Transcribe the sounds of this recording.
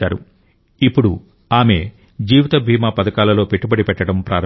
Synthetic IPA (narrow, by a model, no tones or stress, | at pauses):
aːɾṵ | ipːuɽu | aːme̞ | d͡ʒiːʋit̪ɐbʱiːmaːpɐd̪ɐkaːlɐlo̞ːpe̞ʈːubɐɽipɛʈːɐɽɐmpɾʔa̰ːɾɐ